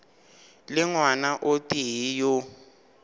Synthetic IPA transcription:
lɪŋwanaʔotiɦijʊ

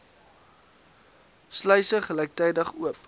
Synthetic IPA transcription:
slœɥsəχəlɛjk̚tɛjdəχuəp

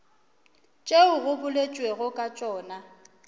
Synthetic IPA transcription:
t͡ʃʼeʊɣʊbʊlet͡ʃʼweɣʊkʼat͡ʃʼɔːna

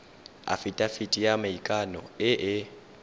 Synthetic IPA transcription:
a̰fɪtʼafitʼijamaikʼanɔɪʔɪ

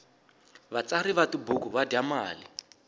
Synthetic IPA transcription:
βat͡saɾiβatibukuβadamaːli

